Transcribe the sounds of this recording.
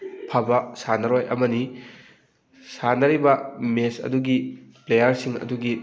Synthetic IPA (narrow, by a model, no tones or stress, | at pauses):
pʰɐbɐsanɐɾojʔɐ̰mɐni | sanɐɾibɐmesɐ̰duɡiplejɐɾsiŋɐ̰duɡi